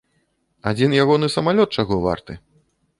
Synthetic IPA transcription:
ad͡zʲinjaɣɔnɨsɐmalʲɔt̪̚t͡ʂaɣɔva̰rt̪ɨ

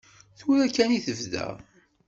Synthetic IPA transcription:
θuɾækːæniθəvðæ̰

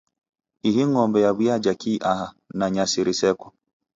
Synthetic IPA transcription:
iɦiŋɔmbɛjaβwad͡ʒakʰiːʔaha | naɲasiɾisɛkɔ̥

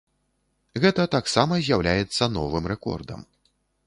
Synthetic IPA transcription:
ɣɛt̪ɐt̪aksamɐzʲjawlʲajɛt̪sːɐnɔvɨmrɛkɔ̰rd̪ɐ̰m

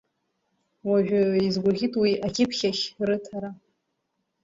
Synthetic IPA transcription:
waʒᶣaizɡʷaʁʲɪtʼwiʔakʲʰɪpʰχʲaχʲrɨtʰaɾa

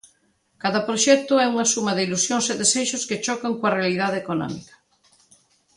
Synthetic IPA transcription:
kaðapɾoʃɛk̚t̪oɛuŋasumaðeilusjõnseðeseʃosket͡ʃɔkaŋkwarealiðaðekonɔ̰mḭkḁ

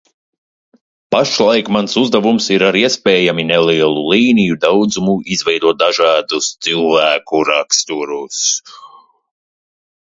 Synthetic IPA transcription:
paʃlˠajkmansuzd̪avumsiɾaɾiɛspɛːjaminɛliɛlˠulˠiːnijud̪awd̪zumuizvɛjd̪uɔt̪̚d̪aʒɑːd̪ust̪silˠvæːkuɾakst̪uɾus

